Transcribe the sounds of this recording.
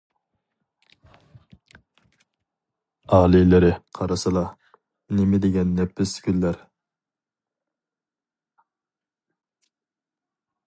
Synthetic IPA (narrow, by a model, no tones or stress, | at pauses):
ɑːlˠɪlɪɾɪqʰɑɾɨsɨlˠɑ | nɪmɪd̪ɪɡʲɛnːɛpːɪskʲylːæɾ